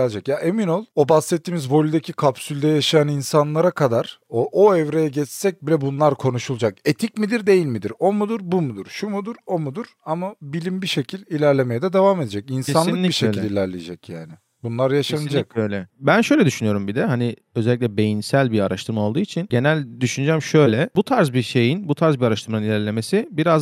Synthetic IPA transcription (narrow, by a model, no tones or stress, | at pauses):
d͡ʒakjaʔe̞mino̞lˠo̞basːɛt̪ːiːmizvo̞lʲyd̪ecʰikʰapsylʲd̪ɛjaʃajaninsanlˠaɾakʰad̪aɾ̥oʔoɛvɾe̞jɛɟɛt͡ʃsɛc̚bilʲɛbunlˠaɾkʰo̞nuʃulˠd͡ʒake̞t̪ʰicmid̪iɾd̪e̞jilʲmid̪iɾo̞mud̪uɾbumud̪uɾ̥ʃumud̪uɾo̞mud̪uɾ̥amabilʲimbiʃe̞cʰilʲilʲæɾlʲe̞me̞jɛd̪ɛd̪evaːme̞d̪ed͡ʒɛcinsaninlʲibiʃelilʲilʲæɾlʲejed͡ʒɛcjaːnɪ | bunlˠaɾjaʃannd͡ʒakøjlʲɛbænʃø̞jlʲɛd̪yʃynyjo̞ɾumbid̪ɛhani | ø̞zɛlʲːic̬ʲlʲɛbe̞jinsælʲbiaɾaʃt̪ʰɯɾmaolˠd̪uːit͡ʃʰinɟe̞nælʲd̪yʃynd͡ʒɛmʃø̞jlʲɛbut̪ʰaɾzbiʃe̞jinbut̪ʰaɾzbiaɾaʃt̪ʰɯɾmanɯnilʲæɾlʲe̞me̞sibiɾaz